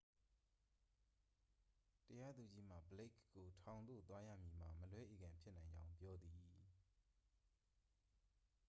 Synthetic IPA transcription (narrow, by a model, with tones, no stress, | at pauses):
təja˦d̪u˨d͡ʑi˦m̥a̰˦˨bəle˦kɡo˨tʰã˨ʊ̃nd̪o̰˦˨t̪wa˦jä̰˦˨mji˨m̥a̰˨məlwɛ˦ʔe˨ɡã˨mpʰjɪ˦ʔnã˨ɪ̃ɲd͡ʑã˦ʊ̃mpjɔ˦d̪ði˨